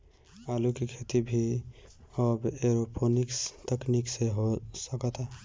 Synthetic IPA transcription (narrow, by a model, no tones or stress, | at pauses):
alukekʰet̪ibʱi | əbeɾopʰonikst̪eknikseɦosəkət̪a